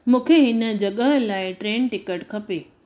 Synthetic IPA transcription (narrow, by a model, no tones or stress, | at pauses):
mũːkʰeɦɪnə̆d͡ʑɐɠəɦəlaːɪʈɾeːnʈɪkəʈkʰɐpeː